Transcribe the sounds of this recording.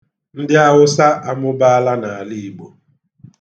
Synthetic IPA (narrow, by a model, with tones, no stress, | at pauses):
n̩˦dɪ˦a˦ɦʊ˦sa˦ʔa˦mʊ˦ba˦a˦la˦na˨a˨li˦˨bo˨